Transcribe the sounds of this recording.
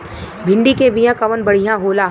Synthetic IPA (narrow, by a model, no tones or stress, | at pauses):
bʱɪ̃ɳɖikebijãkɐʋənbɐɽ̤ijãɦoːla